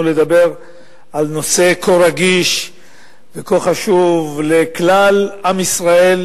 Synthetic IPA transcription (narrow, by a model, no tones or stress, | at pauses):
ule̞d̪abe̞ʁ | alno̞se̞kʰoɾaɡiʃ | vekoχaʃuvleklalʔamisʁae̞l